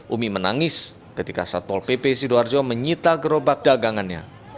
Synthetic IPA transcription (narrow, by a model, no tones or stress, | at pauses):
ʔumimənaŋɪs | kət̪ika̰sat̪wɔlpepesidoard͡ʒɔməɲit̪aɡəɾobak̚d̥aɡaŋanɲa̰